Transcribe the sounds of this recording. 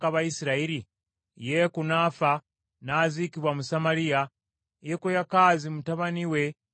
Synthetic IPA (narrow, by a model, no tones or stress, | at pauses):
kaβaisiɾaiɾi | jekunaːfa | nazikiβwamusamaɾija | jekujakaːzimutaβaniwe̞